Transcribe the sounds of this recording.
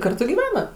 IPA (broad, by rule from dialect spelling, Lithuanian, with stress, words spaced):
ˈkɐrtʊ ɡʲiːˈʋʲæːnɐ